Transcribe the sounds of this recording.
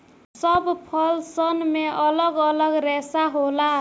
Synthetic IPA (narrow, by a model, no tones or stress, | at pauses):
sʌbpʰʌlsʌnmeʔʌlʌɡʌlʌɡɾesaɦola